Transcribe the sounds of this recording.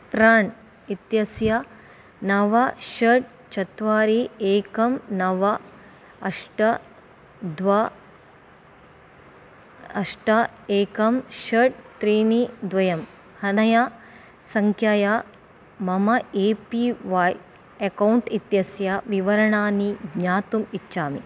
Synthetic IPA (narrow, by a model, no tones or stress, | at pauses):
pɾaːɳ | it̪jɐsjɐ | nɐʋɐʃɐɖ̚ | t͡ʃɐt̪ʋaːɾieːkɐmnɐʋɐ | ɐʂʈɐ | d̪ʋɐ | ɐʂʈɐ | eːkɐmʃɐɖ̚t̪ɾiːnid̪ʋɐjɐm | hɐnɐja | sɐŋkʰjaːja | mɐmɐeːpiʋaːj | ɐkɐwɳʈit̪jɐsjɐʋiʋɐɾɐɳaːniɡɲaːt̪umit͡ʃːʃaːmḭ